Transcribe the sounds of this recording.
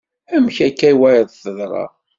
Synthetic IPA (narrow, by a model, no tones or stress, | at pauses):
æmçækːæjwæjðθəðɾˤɑ̰